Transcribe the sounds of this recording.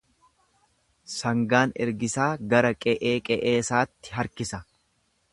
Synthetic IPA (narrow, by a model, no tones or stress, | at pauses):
sɐŋɡaːnɛ̰ɾɡɪsaːɡɐɾɐkʼɛʔeːkʼɛʔeːsaːt̪ːɪ̥ɦɐɾkɪsɐ